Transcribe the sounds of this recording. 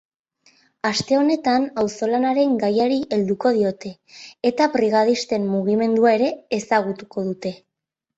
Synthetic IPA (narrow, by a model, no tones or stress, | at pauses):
ast̪e̞o̞ne̞t̪anawso̞lanaɾe̞ŋɡajaɾiʔe̞ld̪uko̞ð̞io̞t̪e̞ː | t̪apɾiɣ̞að̞ist̪e̞mmuɣ̞ime̞nd̪uae̞ɾe̞ːsaɣ̞ut̪uko̞ðut̪e̞